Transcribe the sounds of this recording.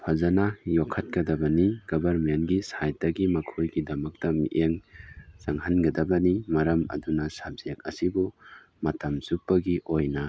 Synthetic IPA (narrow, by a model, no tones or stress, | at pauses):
pʰazɐnɐjokʰːɐt̚kɐdɐbɐniɡɐbɐɾmenɡisajtɐɡimɐkʰojɡidɐmɐk̚tɐmḭʔeŋzaŋhanɡɐdɐbɐnimɐɾɐmɐ̰dunɐsab̚z̥ijak̚ɐ̰sibu | mɐtɐmzupːɐɡiʔojnɐ